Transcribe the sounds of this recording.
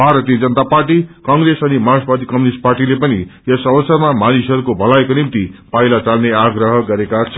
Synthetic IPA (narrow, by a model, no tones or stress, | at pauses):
bʱaɾʌt̪iʌd͡zʌnət̪aparʈikʌŋɡɾesʌnimasbad̪ʱikʌminisʈ̚parʈilepʌnḭjʌsʌbʌsʌmamanisɦʌɾukobʱʌlaekonimt̪ipajlat͡salneaɡrʌɦʌɡʌɾekat͡sʰʌ